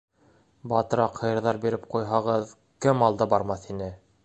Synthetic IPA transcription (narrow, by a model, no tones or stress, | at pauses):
bɑt̪ɤ̆ɾɑqhɤ̆jɤ̆ɾðɑɾbiɾɘp̚qujɦɑʁɤð | kɘmɑlˠd̪ɑbɑɾmɑθinɘ